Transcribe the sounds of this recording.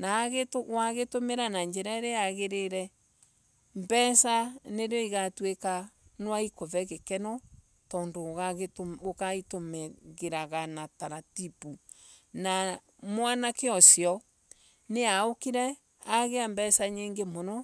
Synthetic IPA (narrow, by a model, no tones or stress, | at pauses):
naɣetwaɣetomeɾanaɲd͡ʒɛɾaɾeaɣeɾeɾɛ | mbɛsaneɾeoiɣatwekanwaikovɛɣekɛnɔ | tɔːndoɣaɣokaitomeɣeɾaɣanataɾatipu | na | mwanakeɔsjɔ | neaokiɾɛ | aɣeambɛsaɲeːŋɡemonɔ